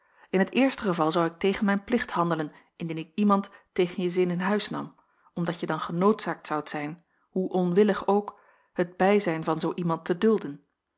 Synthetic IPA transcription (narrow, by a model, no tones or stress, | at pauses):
ɪnɦətɪːɹstəχəvɑlˠzɑwɪk̚tejχənmɛjnplɪχthɑndələn | ɪndinɪkimɑntː | ejχənjəzɪnɪnɦœɥsnɑ̰m | ɔmdɑtjədɑnχənowtsaːk̚tsɑwtsɛjn | ɦuʔɔnʋɪləχowk | həd̚bɛjzɛjnvɑnzowʔimɑntədɵlˠdən